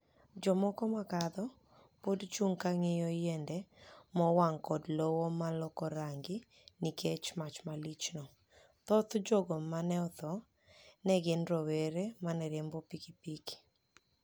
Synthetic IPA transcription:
d͡ʒɔmɔkɔmakad̪ɔ | podt͡ʃuŋkaŋejɔjendɛmɔwaŋkɔdlɔwomalɔkɔɾaŋɡɪ | nikʰet͡ʃmat͡ʃmalit͡ʃnɔ | t̪ɔt̪d͡ʒoɡɔmanɛɔt̪ɔ | nɛɡɪnɾɔweɾemanɛɾembɔpikipik

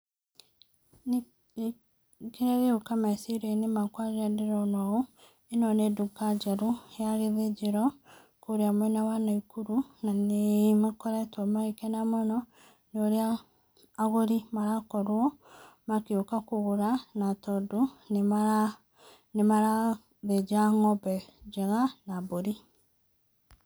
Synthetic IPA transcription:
n | keɾɛɾeokamasiɾeinemakwaɣɛdeɾɔnɔɣo | enɔnedukad͡ʒaɾojaɣeðed͡ʒeɾɔ | koɾeamwɛnawanaikuɾunanemakɔɾatwɔmaekɛnamonɔ | neoɾeaː | ɣoɾimaɾakɔɾwɔmakiokakoɣoɾanatɔdona | nemaɾa | ðed͡ʒaŋɔbɛd͡ʒɛɣanaboɾi

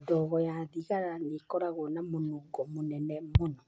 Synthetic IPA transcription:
dɔɣɔjaðiɣaɾanekɔɾaɣɔnamonuːɡɔmonɛnɛmonɔ

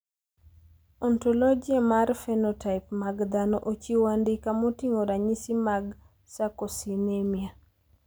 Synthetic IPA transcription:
ɔntolɔd͡ʒiamarfɛnotaɪpmaɡd̪anɔʔot͡ʃiwandɪkamotiŋoɾaɲisimaɡ | sakosinemia

